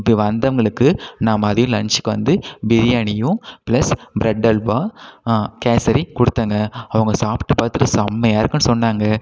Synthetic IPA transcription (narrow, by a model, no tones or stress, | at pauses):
pːiʋɐnd̪ɐɐŋɡɐɭɯkːɯnaːmɐːðɐjʊ̃lɐɳt͡ʃɪ̥kːɯʋɐ̰nd̪ɯbɪɾɪjaːɳɪjʊ̃pɪlɐsbɪɾɐɖːɐlʋaː | keːsɐɾikɔɽɯt̪ːaːŋɡɐːʋɐŋɡɐsaːpʈːɯpaːɾt̪ɯʈːɐsɐmːɐjaːɾɯkːɯnːɯsɔnːaːŋɡɐ